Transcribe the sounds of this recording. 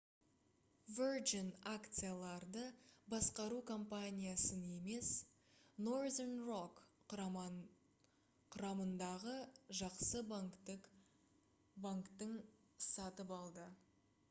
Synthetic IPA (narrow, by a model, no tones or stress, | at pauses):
verd͡ʒɪnakt̪sɨjalˠɑɾd̪əbɑsqɑɾukʰo̞mpanʲijasəne̞me̞s | nord̪enrok | qʰʊɾɑmənd̪ɑʁəʒɑqsə | baŋkt̪əɴ | sɑt̪əpɑlˠd̪ə